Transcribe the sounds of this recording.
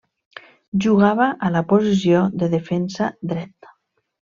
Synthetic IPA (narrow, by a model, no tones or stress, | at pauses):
ʒuɣaβaʔalapozis̬ioðəðefɛnsad̪ɾɛt̪